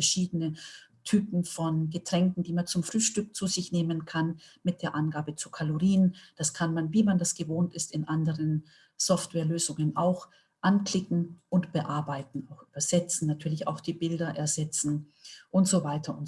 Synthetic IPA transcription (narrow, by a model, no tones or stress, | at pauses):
fɛɐʃiːdənətʰyːpn̩fɔnɡətʁ̥ɛŋkn̩diːmant͡sʊmfʁ̥yːʃtʏk̚t͡suːzɪçneːmənkʰanmɪt̚d̥eːɐʔanɡaːbət͡sukʰaloʁiːnd̥askʰanmanviːmandasɡ̥əvoːntɪstɪnʔandəʁən | z̥ɔftvwɛːɐløːzʊŋənʔa̰ʊx | ʔanklɪkŋ̩ʔʊntb̥əʔaɐbaɪtn̩aʊxʔyːbɐz̥ɛt͡sn̩natʰyːɐlɪça̰ʊxd̥iːbɪldɐʔɛɐzɛt͡sn̩ | ʔʊntz̥ovaɪtʰɐʊn